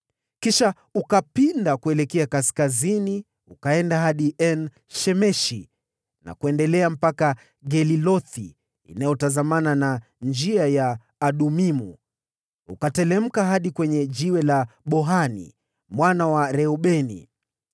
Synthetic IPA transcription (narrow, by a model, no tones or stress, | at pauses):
kiʃa | ukapindakuɛlɛkɛakaskazini | ukaɛndaɦaɗiʔɛn | ʃɛmɛʃi | na̰kuɛndɛlɛam̩paka | ɡɛlilɔθḭ | ḭnajɔtazamanana | nd͡ʒiajaː | ɗumimṵ | ukatɛlɛm̩kaɦaɗikwɛɲɛʄiwɛlaɓɔɦanḭ | mwanawaɾɛɔɓɛnḭ